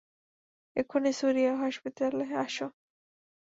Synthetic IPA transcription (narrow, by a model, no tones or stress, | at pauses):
ekʰonesuɾijaɦɔʃpit̪aleaʃo